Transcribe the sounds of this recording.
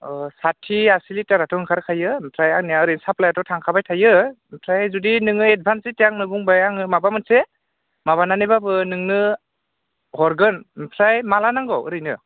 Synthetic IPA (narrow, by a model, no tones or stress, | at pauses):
satʰiasilitaɾatɔnɯkʰaɾkʰajɯmpʰlajaknijaɯɾɯjnsaplajatɔtʰaŋkʰabajtʰajɯ | mpʰɾajzudinɯŋɯed̚bʱansitijaŋnɯbuŋbajaŋɯmabamɯnse | maβananɯjbabɯnɯŋnɯ | hɔɾɡɯnmpʰlajmalanaŋɡɔwɯ̰ɾɯjnɯ